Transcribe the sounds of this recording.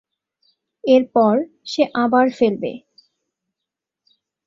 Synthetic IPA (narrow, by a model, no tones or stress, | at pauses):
eɾpɔɾ | ʃeʔabaɾfelbḛ